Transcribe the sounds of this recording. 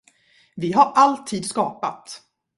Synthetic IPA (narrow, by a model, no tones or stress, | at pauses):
vɪɦaɾʔalt̪ʰiːd̪skɑːpat̪